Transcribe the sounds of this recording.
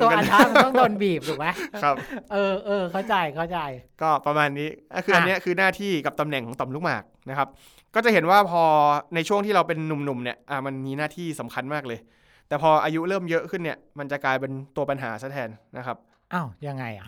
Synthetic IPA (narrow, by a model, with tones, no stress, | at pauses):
aː˦˧˥m˧ɔ˥˩ŋt̪o˧nbiː˨˩p̚tuː˨˩ma˦˥kɾa˦˥p̚ʔɤː˧ʔɤː˧kʰa˥˩wt͡ɕa˧jkʰa˥˩wt͡ɕa˧jkɔː˥˩pɾa˧maː˧nːiː˦˥˨kʰɯː˧a˧nːi˦˥ɐkʰɯː˧naː˥˩t̪ʰiː˥˩ka˨˩p̚t̪a˧mnɛ˨˩ŋkʰɔː˩˦ŋt̪ɔ˨˩mluː˦˥k̚ma̰ː˨˩k̚na˦˥kʰa˦˥p̚ | kɔː˥˩t͡ɕa˨˩he˩˦nwaː˥˩pʰɔː˧na˧jt͡ɕʰu˥˩əŋt̪ʰiː˥˩ɾa˧wp̬e˧nːu˨˩mnu˨˩mni˥˩ɐʔa˨˩ma˧nmiː˧naː˥˩t̪ʰiː˥˩sa˩˦mkʰa˧nmaː˥˩k̚lɤː˧j | t̪ɛː˨˩pʰɔː˧ʔaː˧ju˦˥ʔɾɤː˥˩mjɤ˦˥ʔkʰɯ˥˩nːi˥˩ɐma˧nt͡ɕa˨˩klaː˧jp̬e˧nt̪u˧ɐpa˧nɦaː˩˦sa˦˥˩t̪ʰɛː˧nːa˦˥kʰa˦˥p̚ | ʔa˧˩wja˧ŋːa˧jʔa̰˨˩